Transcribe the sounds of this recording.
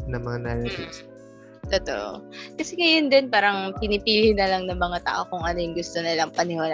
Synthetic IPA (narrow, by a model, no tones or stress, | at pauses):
nɐŋmɐŋanalɐt̪ɪs | t̪ot̪o̰ʔo̰kɐsɛŋɐjond̪onpaːɾɐŋpɪnɪpiːlɪnɐlɐŋnɐŋmɐŋat̪a̰ːʔo̞kʊŋʔɐnojʊŋɡʊst̪o̞nɐlɐŋpɐnɪwaːla